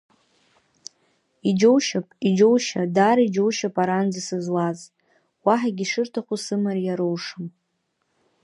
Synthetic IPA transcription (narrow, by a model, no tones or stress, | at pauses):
id͡ʒowʃapʼid͡ʒowʃadaɾid͡ʒo̞wʃapʼaɾand͡zisɨzlaz | waħaɡʲiʂɨrtʰaχʷusɨmaɾjaɾowʂɨm